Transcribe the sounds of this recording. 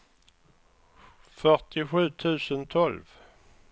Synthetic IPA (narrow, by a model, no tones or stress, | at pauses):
fœʈɪɧʉ̟ːt̪ʰʉ̟ːsənt̪ʰɔlv